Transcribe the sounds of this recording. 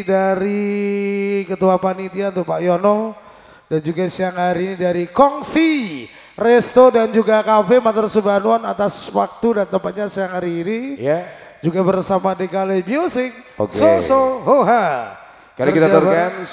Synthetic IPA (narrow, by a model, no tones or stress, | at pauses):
daɾi | kət̪uapanit̪iant̪ʊk̚paʔjɔnɔ | dand͡ʒuɡasiaŋhaɾinidaɾikɔŋsi | rɛst̪odand͡ʒuɡakafemat̪ɔrsəbanuanat̪aswa̰k̚t̪udant̪əmpat̪̚ɲasiaŋhaɾiːnija | d͡ʒuɡabərsamadekalemiusɪk̚o̰ksosoɦoɦa | kaɾakit̪aaərkan